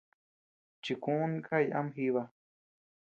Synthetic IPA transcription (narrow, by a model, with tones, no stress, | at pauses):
t͡ʃi˨kũ˦ũ˦nka˦jʔa̰˦mɦi˧βa˧